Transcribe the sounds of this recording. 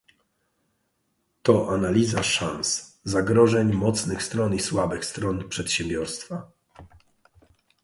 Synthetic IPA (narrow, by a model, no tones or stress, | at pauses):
t̪ɔʔanalʲizaʂanszaɡɾɔʐɛɲmɔt̪snɘxst̪ɾɔniswabɘxst̪ɾɔnpʂɛt̪ɕɛmbʲjɔɾst̪fa